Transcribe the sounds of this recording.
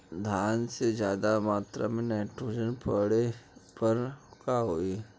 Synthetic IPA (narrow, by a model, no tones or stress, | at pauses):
d̪ʱjaːnsed͡ʒjaːd̪amaːt̪ɾa̰mẽnɛːʈɾoːd͡ʒənpəɽepəɾkaɦoːi